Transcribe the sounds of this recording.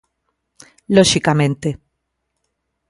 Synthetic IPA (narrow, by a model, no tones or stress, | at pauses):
loʃikamẽnt̪e